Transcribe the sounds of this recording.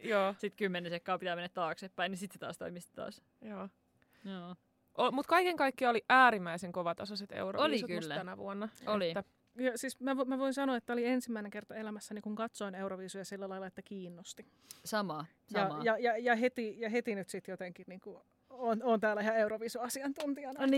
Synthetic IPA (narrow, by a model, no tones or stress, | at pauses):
joːsit̪kymːenesekːɑːpit̪æːmenːæt̪t̪ɑːksepːæinisit̪set̪ɑ̰ːst̪o̰imist̪it̪ɑ̰ːs | joː | joː | ʔomut̪kɑikeŋkɑikːiɑoliʔæːɾimːæiseŋkoʋɑt̪ɑsɑset̪ḛuro̰oliisskylːtænæʋṵonːɑolitːæ | jɑsiːsmæʋomæʋoinsɑnoɑet̪ːæoliensimːæineŋkert̪ɑelæmæsːænikuŋkɑt̪soineuroʋiːsujɑsilːælɑilːˑɑet̪ːækiːnːost̪i | sɑmɑ | sjɑjɑjɑjɑhet̪ijɑɦet̪inyt̪sit̪jot̪eŋkiniːŋku | onont̪æːlːæehæeuɾoʋiːsuɑsiɑnt̪unt̪iɑnɑni